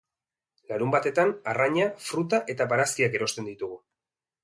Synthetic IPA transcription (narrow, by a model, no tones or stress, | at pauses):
laɾumbat̪e̞t̪anaraɲafɾut̪aʔe̞t̪aβaɾaskiake̞ɾo̞st̪e̞nd̪it̪uɣu